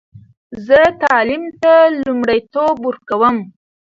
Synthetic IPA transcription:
zət̪ɑlimt̪alumɽajt̪obuɾkawəm

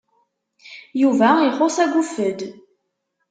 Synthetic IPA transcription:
juvæiχosæɡufəd̪

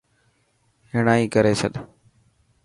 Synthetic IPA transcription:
ɦɪɽ̃aːiːkəɾeːt͡ʃʰəɗ

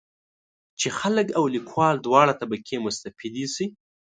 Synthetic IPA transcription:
t͡ʃexaləkawlikwɑld̪wɑɽat̪abakʰemʊst̪afid̪isi

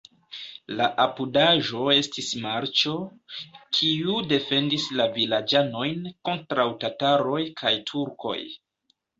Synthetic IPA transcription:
laʔapudaʒo̞e̞stismaɾt͡ʃo̞ | kʰiude̞fe̞ndislavilad͡ʒano̞jnko̞ntɾawtataɾo̞jkʰajtʰuɾko̞̰j

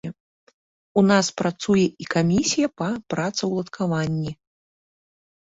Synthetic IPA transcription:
ɛ | unaspɾat̪sujɛʔikamʲisʲijɐpɐpɾat̪sɐwlˠɐt̪kʰavanʲːi

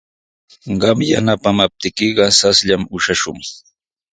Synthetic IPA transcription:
ɢɑmjanapamap̚t̪ɪkɪɢɑsasʎamʊʃaʃʊŋ

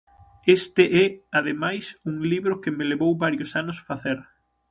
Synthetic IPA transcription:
est̪ɪʔɛaðemajsuŋliβɾʊkɪmeleβowbaɾjʊsanʊsfaθeɾ

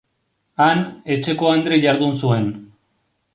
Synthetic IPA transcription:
ane̞t͡ʃe̞ko̞and̪ɾeʎaɾðunsue̞n

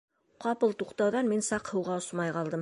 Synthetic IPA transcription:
qɑpɤlˠt̪uqt̪ɑwðɑnminsɑqhɤ̆wʁɑosmɑjqɑlˠd̪ɤm

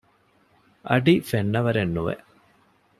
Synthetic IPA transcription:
ɐ̰ɖifeɳːɐʋɐɾenːuʋḛ

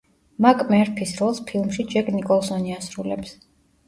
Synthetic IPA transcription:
makʼmɛɾpʰisɾɛlˠspʰilˠmʃid͡ʒɛkʼnikʼɔlˠsɔniasɾulɛ̰ps

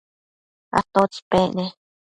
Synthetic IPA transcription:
a̰t̪ot͡speʔne

